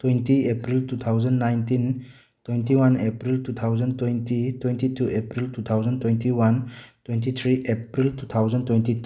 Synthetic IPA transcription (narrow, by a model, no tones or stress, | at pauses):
twejntiepɾiltut̪ʰawd͡ʒɐnːajntin | twejntiwanepɾiltut̪ʰawzɐntwejntitwentitʰuʔepɾiltut̪ʰawd͡ʒəntwejntiwantwejnt̬it̪ʰɾiʔepɾiltut̪ʰawd͡ʒəntwejnti